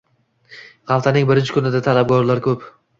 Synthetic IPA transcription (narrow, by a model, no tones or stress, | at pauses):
ʁɑlˠt̪ʰanɪŋbɪɾɪnt͡ʃʰɪ̥kʰʊnɪd̪at̪ʰalab̚ɡʲɒɾlaɾkʰɵp